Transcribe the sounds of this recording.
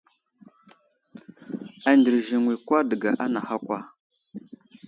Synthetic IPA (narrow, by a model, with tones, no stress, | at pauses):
a˨ndi˨ɾʒi˨ŋwi˨kʷa˦də˨ɡa˨ʔa˦na˨ha˦kʷa˦